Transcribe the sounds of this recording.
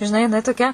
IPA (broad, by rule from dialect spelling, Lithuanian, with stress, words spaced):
ʒʲɪˈnɐɪ jɪˈnɐɪ toːˈkʲɛ